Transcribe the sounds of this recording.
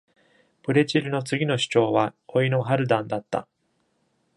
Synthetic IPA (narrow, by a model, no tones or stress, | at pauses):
b̥ɯ̟ɾe̞t͡ɕiɾɯ̟no̞t͡sɨɡʲino̞ɕi̥t͡ɕo̞ːβaoino̞ɦaɾɯ̟d̪ãnd̪at̪ːa̰